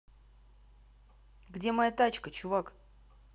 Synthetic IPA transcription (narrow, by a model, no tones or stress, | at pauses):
ɡdʲemɐjat̪at͡ɕkət͡ɕʊvak